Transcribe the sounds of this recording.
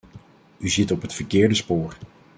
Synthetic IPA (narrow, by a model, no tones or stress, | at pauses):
yzɪtɔpɦətfəɹkɪːɹdəspoːɹ